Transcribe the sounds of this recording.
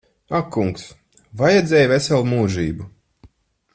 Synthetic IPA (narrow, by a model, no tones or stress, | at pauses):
akːuŋks | vajɛd̪zʲɛjvɛsɛlˠmuːʒiːbu